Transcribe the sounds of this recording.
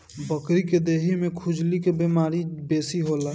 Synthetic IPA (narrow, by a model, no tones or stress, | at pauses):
bəkɾiked̪eːɦimẽkʰʊd͡ʒlikebemaːɾibeːsiɦoːla